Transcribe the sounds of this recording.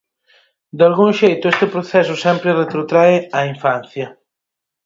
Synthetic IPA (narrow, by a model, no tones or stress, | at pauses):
d̪alɡuŋʃejt̪ʊest̪ɪpɾoθɛsʊsɛmpɾɪret̪ɾot̪ɾaɪaiɱfan̟θjɐ